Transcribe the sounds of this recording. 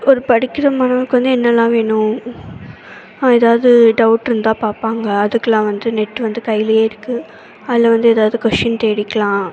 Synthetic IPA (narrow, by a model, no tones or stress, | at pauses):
ɔɾɯpɐɽɪkːɪɾɐmaːnɐkːʋɐnd̪ɯɛnːɐlːãːʋeːɳʊ̃ | ɛðaːʋðɯɖɐʊʈːɾɯnd̪ãːpaːɾpaːŋɡɐːðɯkːɐlãːʋɐnd̪ɯnɛʈːɯʋɐnd̪ɯkɐjɪlɐjeːɪɾɯkːɯ | ɐðlːɐʋɐnd̪ɯɛðaːʋðɯkɔʂɐnt̪eːɽɪkːɐlãː